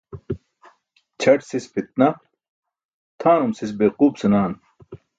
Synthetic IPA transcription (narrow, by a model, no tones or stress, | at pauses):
t͡ɕʰɐʈsispʰit̪̚nɐ | t̪ʰaːnumsis̬beːquːbsinaːn